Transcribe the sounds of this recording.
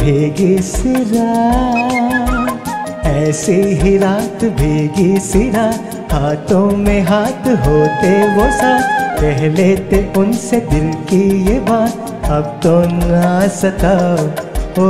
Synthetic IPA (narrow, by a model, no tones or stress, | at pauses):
bʱeːɡisiɾa | ɛːseɦiɾaːt̪bʱeːɡisiɾa | haːt̪ʰõmẽɦaːt̪ʰɦoːt̪eʋoːsapɛɦlet̪eʊnsed̪ɪlkijeba | ɐb̚t̪onasɐt̪a | o